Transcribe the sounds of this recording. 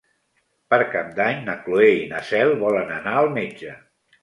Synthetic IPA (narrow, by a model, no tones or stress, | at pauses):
pəɾkap̚d̪aɲnəklueinəsɛlˠβɔlənənaəlˠmed͡ʒə